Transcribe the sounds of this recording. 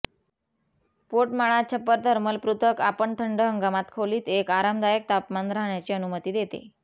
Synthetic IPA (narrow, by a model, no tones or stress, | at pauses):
poʈmaɭ̃at͡ɕʰəpːəɾt̪əɾməlpɾut̪ʰəkapəɳt̪ʰəɳɖəɦəŋɡamat̪kʰoliːt̪ekaɾamd̪ajək̚t̪apmand̪ɾaɦɳjat͡ɕiːənumət̪iːd̪et̪ḛ